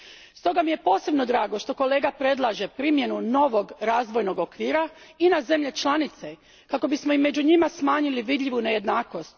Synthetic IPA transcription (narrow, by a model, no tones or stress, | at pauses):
st̪o̞ɡamije̞po̞ːse̞bno̞d̪ɾaːɡo̞ʃt̪o̞ko̞le̞ːɡapɾe̞d̪lˠaʒe̞pɾimje̞nuno̞ʋo̞ɡɾaːzʋo̞jno̞ɡokʋiːɾainaze̞mʎe̞t͡ʃlˠanit̪se̞ | kako̞bismo̞ime̞d͡ʑuɲimasmaːɲiliʋid̪ʎʲiʋune̞je̞d̪naːko̞st̪